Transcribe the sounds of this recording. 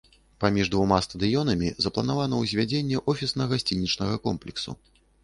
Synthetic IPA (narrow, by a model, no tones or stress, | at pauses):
pamʲiʐd̪vumast̪ɐd̪ɨjɔnɐmʲizɐplˠɐn̪avanɐwzʲvʲad͡zʲenʲːɛʔɔfʲisnɐɣasʲt͡sʲinʲit͡ʂnɐɣɐkɔmplʲɛksṵ